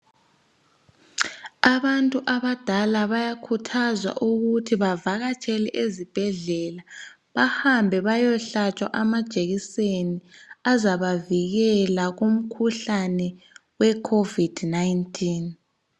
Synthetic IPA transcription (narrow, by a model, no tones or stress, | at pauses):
aβantʼuʔaβad̥ʱalaβajakʰutʰazwa̰ʔuɣutʰiβavaɣat͡ʃʼʰɛlɛʔezib̥ʱɛɮɛla | βahambʱɛβajɔɬat͡ʃʼwa̰ʔamad̥ʒ̥ʱʼeɣiseniazaβaviɣɛlaɣum̩kʰuɬanɛ | wɛkʰovid̥najintʰʼiːn